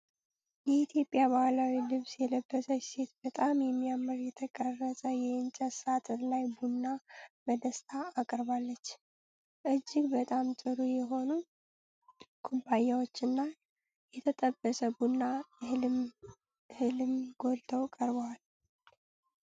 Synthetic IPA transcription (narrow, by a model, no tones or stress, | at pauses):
jɛit̪ʰjo̞pʼjaβalawilɨβsjɛləbːəsəse̞t̪̚b̥ət̪ʼamjɛmːijamɨɾjɛt̪ʰəkʼərːəsʼəjɛɨnt͡ʃʼəsat̪ʰɨlajbunːaməd̪əst̪ʰaːkʼɾbalːət͡ʃː | ʔɨd͡ʒːɪɡbət̪ʼamt̪ʼɨɾujɛɦo̞nu | kʰubːajawot͡ʃːɨnːa | jɛt̪ʰət̪ʼəbːəsəbunːa | hɨlɨmɡo̞lt̪ʰəwkʼəɾβəwal